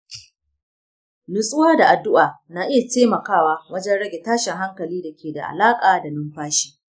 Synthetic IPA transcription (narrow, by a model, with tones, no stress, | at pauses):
lʊ˨sʼʊ˦waː˦da˨ʔa˨dːʊ˦ʔaː˨naː˨ʔɪ˦ja˨teː˦mɐ˨kaː˦waː˦wɐ˦d͡ʒɛ˦nɽɐ˦ɡʲe˨taː˦ʃɪ˨ŋɦa˦ŋkɐ˨liː˦da˨kʲʰeː˨da̰˨ʔa̰˨laː˦kʼaː˨da˨nʊ˦mɸaː˦ʃi̥ː˦